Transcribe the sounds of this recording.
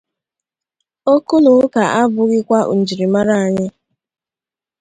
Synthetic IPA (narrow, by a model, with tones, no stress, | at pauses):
o˦ku˦nʊ˨˦ka˨ʔa˦bʊ˨ɣɪ˦kʷa˦ʔṵ˨n̩˨d͡ʒi˨ɾi˨ma˦ɾa˦a˨ɲɪ˦